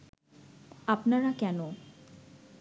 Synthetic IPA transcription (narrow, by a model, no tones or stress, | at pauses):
apnaɾakɛno